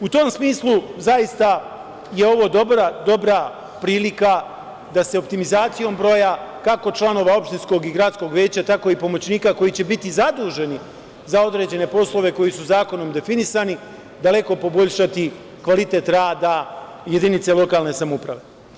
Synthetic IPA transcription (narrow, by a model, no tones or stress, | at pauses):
ut̪o̞ːmsmiːslˠuzajist̪a | je̞o̞ʋo̞d̪o̞bɾad̪o̞bɾa | pɾiːlika | d̪ase̞op̚t̪imizaːt̪sijo̞mbɾo̞jakako̞t͡ʃlˠano̞ʋao̞pʃt̪insko̞ɡiɡɾadt̪sko̞ɡʋje̞ːt͡ɕat̪ako̞ipo̞mo̞t͡ɕniːkako̞jit͡ɕe̞bit̪izad̪uːʒe̞ni | zao̞d̪ɾe̞ːd͡ʑe̞ne̞po̞slˠo̞ʋe̞ko̞jisuzaːko̞no̞md̪e̞finisani | d̪ale̞ko̞po̞bo̞ʎʲʃat̪i | kʋalit̪e̞ːt̪ɾaːd̪a | je̞d̪init̪se̞lˠo̞kaːlˠne̞samupɾaʋe